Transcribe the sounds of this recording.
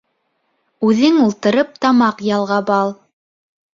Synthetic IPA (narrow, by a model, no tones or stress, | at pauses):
ʉðɘŋulˠt̪ɤ̆ɾɤp̚t̪ɑmɑqjɑlˠʁɑbɑlˠ